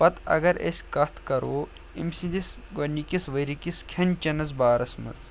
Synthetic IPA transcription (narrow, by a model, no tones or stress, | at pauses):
pɐt̪ɐ̰ɡɐɾḛsʲkɐt̪ʰkɐɾoː | ḭmsid̪is | ɡɐnikisʋɐɾikiskʰɐnt͡ʃɐnɐzbaːɾɐsmɐ̰z